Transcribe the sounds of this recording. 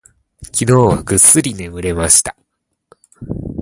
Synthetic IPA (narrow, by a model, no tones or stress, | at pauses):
kʲino̞ːβa̰ɡɯ̟sɨɾʲine̞mɯ̟ɾe̞maɕi̥t̪ḁ